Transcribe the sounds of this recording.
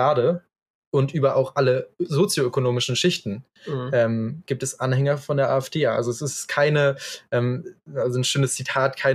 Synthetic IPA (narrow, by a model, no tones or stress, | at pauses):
aːdə | ʔʊntʔyːbɐʔaʊxʔaləzoːt͡sjoøkonoːmɪʃn̩ʃɪçtn̩ | ʔɛːmɡ̥iːp̚tɛsʔanhɛŋɐfɔndeːɐʔa̰ːɛfd̥eːʔa̰lzoɛsɪstkʰaɪnəʔɛːmalzonʃøːnəst͡sitʰaːtkʰaɪ